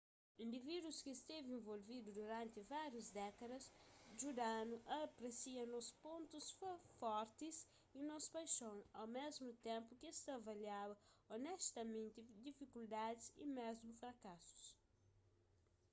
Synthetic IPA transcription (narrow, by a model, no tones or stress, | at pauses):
ĩnd̪ivid̪uskɪst̪evɪẽnvolvid̪ud̪uɾɐ̃nt̪ɪvaɾjɐzd̪ɛkɐd̪ɐsʒud̪anuʔɐpɾesiɐ̃nɔspõnt̪usfɔɾt̪ɪs | inɔspajʃõwawmezmʊt̪ẽmpʊkest̪ɐvɐljawɐonɛst̪ɐmẽnt̪ɪd̪ifikuld̪ad̪ɪsḭmezmufɾɐkasu̥s